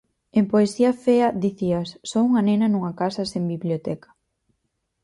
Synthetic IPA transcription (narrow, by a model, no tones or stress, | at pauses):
empoesiafead̪iθiasːɔuŋanenɐnuŋakasasembiβljot̪ɛkḁ